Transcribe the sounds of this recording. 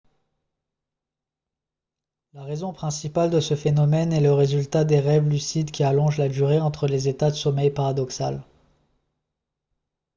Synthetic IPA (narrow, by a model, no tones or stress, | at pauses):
laʁezɔ̃pχɛ̃sipald̪əsəfenɔmɛnɛləʁezylt̪ad̪eʁɛvlysid̪kʲialɔ̃ʒlad̪yʁeɑ̃t̪χəlezet̪ad̪əsɔmɛjpaʁad̪ɔksal